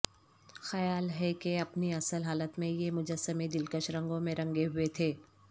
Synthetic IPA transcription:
xɐjaːlɦɛkeɐpniɐsəlɦaːlət̪mẽjemʊd͡ʒəsːəmed̪ɪlkəʃɾɐ̃ŋɡõmẽɾɐ̃ŋɡeɦʊet̪ʰeː

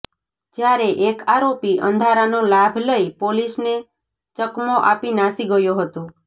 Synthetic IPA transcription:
d͡ʒjaɾeʔekaɾopiʔə̰̃nd̪ʱaɾanolabʱləipolisne | t͡ʃəkmoʔa̰pinasiɡəjoɦət̪o

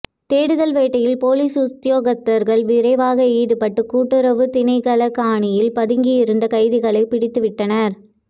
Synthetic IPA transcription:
t̪eːɽɯðɐlʋeːʈːɐjɪlpoːliːsʊt̪ɪjoːɣɐt̪ːɐɾɣɐɭʋɪɾɐɪʋaːɣɐeːðɯpɐʈːɯkːuːʈːɯɾɐʋɯt̪ɪnɐɪkɐlɐkaːɳɪjɪlpɐðɪŋɡɪjɪɾɯnd̪ɐkɐɪðɪɣɐɭɐɪpɪɽɪt̪ːɯʋɪʈːɐnɐɾ

